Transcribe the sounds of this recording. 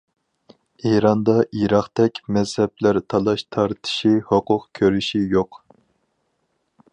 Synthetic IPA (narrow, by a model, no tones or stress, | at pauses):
eɾɑnd̪ɑʔiɾɑχt̪ɛkʲmɛzhɛplæɾt̪ʰɑlˠɑʃt̪ʰɑɾt̪ʰɪ̥ʃihoqʊqkʲʰøɾyʃijoq